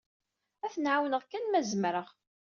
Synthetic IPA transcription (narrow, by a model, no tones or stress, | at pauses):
æθənʕawnəʁkːænmæzəmɾəʁ